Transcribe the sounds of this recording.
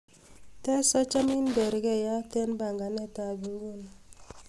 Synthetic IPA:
tɛ˦sɔ˦t͡ʃa˦mi˦n˦be˨ɾɡe˦˨ja˦tɛ˦nba˨ŋɡa˨ne˦ta˨ɡi˨ŋ˦ɡu˦˨n˨

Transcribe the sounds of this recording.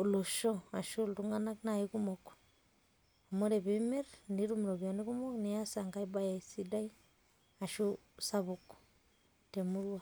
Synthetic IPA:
o˨lo˨ʃoa˨ʃu˦ltuŋa˦na˦kna˨ikumok | o˨mo˦ɾe˨βe˦me˦ɾndi˦ɾumɾo˨βjone˦ku˦mo˦kne˨a˦sa˨ŋɡaiba˦ja˨si˦da˦i | a˨ʃu | saβuk | te˨mu˦ɾuwa

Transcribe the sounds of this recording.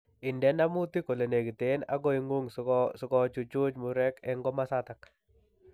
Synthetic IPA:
ɪ˨ndɛ˦na˦mu˦t̪i˦ko˨le˨ne˨ɡi˨t̪ena̰˦ɡo˦iŋu˦ŋsʊ˨kɔ˦t͡ʃu˨t͡ʃo˦t͡ʃmuɾɛ˦kɛŋɡɔ˦ma˦sat̪ak

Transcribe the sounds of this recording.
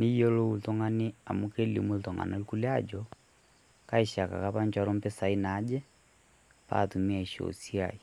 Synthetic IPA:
ni˦jɔ˦lɔ˦u˨ltɔ˦ŋa˦ni˦a˨muke˦li˨mu˦ltɔ˨ŋɡa̰˨na˦lku˦ljad͡ʒɔ | ka˦iʃa˨ka̰˨ka˦pa˦ɲt͡ʃwaɾɔ˦mpɛ˦sa˨i˦na˦d͡ʒɛ˦ | pa̰tu˨mi˦a˨i˨ʃo̰si˦a̰˨i˨

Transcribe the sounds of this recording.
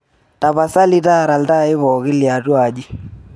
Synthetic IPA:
ta˨pa˨sa˦li˦ta˦˨ɾa˨lta˦ɪ˦βɔ˨kɪ˦lja˨tu˦a˨d͡ʒi˦

